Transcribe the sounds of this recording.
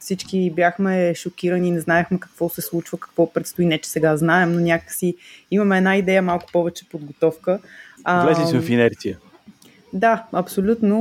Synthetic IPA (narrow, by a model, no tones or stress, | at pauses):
fsit͡ʃkibʲjaxmɛʃokʲiɾəniːnɛznaɛxmɛkɐkvɔsɛslˠut͡ʃvəkɐ̥kvɔpɾɛt̪st̪oinɛt͡ʃɛ̥sɛɡaznaɛmnonʲakəksiimɐmɛːd̪naid̪ɛjəmalˠkʊ̥pɔvɛt͡ʃɛ̥pod̪̚ɡot̪ɔfkəəɛifinɛɾt̪iə | d̪aɐpsolʲut̪no